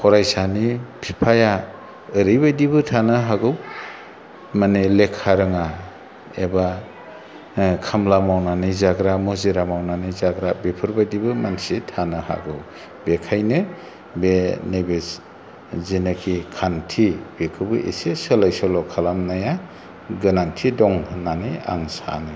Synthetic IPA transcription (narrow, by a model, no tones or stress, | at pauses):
kʰɔɾajsanipʰipʰaja | ɯɾijbajdibɯtʰanɯɦaɡɯw | manelekʰaɾɯŋa | eba | kʰamlamawnanizaɡɾamɔziɾamawnanijzaɡɾabepʰɯɾbajdibɯmansitʰanɯha̰ɡɯw | bekʰajnɯ | benajbes | zinakʰikʰantʰibekʰɯbɯʔḛsesɯlajsɔlɔkʰalamnaja | ɡɯnantʰidɔŋnania̰ŋsa̰nɯ